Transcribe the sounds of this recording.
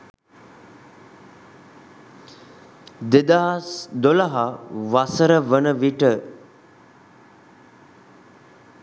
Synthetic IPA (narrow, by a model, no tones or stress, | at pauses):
d̪ed̪aɦasd̪oləɦaʋasəɾəʋənəʋiʈə